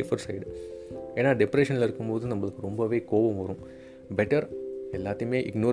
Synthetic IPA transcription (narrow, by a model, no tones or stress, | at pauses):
fɐɾsɐɪɖeːnːaːɖɪpɾeːʂɐnɪlɪɾɯkːɯmpoːðɯnɐmːɐɭɯkːɯɾɔmbɐʋeːkoːʋɐmʋɐɾũ | bɛʈɐɾɛlːaːt̪ːɯjmeːʔɪɡnoː